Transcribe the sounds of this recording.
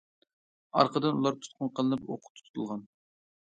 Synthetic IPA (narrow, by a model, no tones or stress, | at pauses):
ɑ̰ɾqʰəd̪ɨnulˠɑɾt̪ʰu̥t̪̚qʰʊnqʰəlˠɨnɨpo̰qʰʊ̥t̪ʰːu̥t̪ʰu̥t̪ʰulˠʁɑn